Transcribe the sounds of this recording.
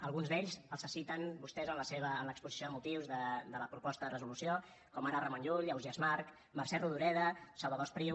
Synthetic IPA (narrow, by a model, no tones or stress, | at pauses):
əlˠɣunzðeʎzəlˠsəsit̪ənbust̪ɛzənləseβəːnləkspuzisijoðəmut̪iwzðəd̪ələpɾupɔst̪əðərəzulusio | kɔmaɾərəmonuʎəwziəzmaɾk | marsɛruðuɾɛðəsəlˠβəðospɾiw